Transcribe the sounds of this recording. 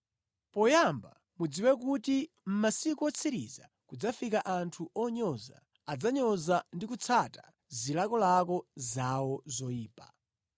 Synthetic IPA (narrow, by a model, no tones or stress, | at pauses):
pɔjamba̰ | mud͡ziwɛk̬uti | m̩masikuɔt͡sʰiɾḭza̰ | kud͡zafikaʔantʰuʔɔɲɔza̰ | ad͡zaɲɔzandikut͡sʰata | zilakɔlakɔzawɔzɔjiːpa